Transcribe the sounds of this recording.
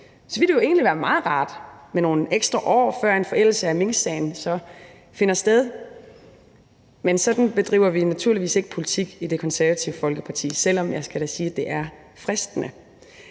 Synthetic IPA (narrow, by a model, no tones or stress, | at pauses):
sɒʋid̥joe̝̰ːnliʋæɐmɑ̈ːð̩ˠʁɑ̈ːd̥meno̝ːneɡ̥sd̥ʁɐʔɒ̰ːfɶɐ̰e̝nfɒ̽ʔel̰l̩səæme̝ŋsɛɪnsɒ̽ | fe̝nɐsd̥eð̞ˠ | mensɒ̽d̥n̩b̥e̝d̥ʁḭːʊɐʋinæt͡sʰuɐliʋḭːse̝ɡ̥ə̥pʰo̝lit͡sʰiɡ̥id̥e̝kʰɒ̽nsæɐʋæt͡sʰiʊəfɒ̽lɡ̥əpʰɑ̈t͡sʰḭːsel̰ɒ̽mjɑ̈ɪsɡ̥æɾ̥æsiːd̥e̝ʔæɐ | fʁɛsd̥ənə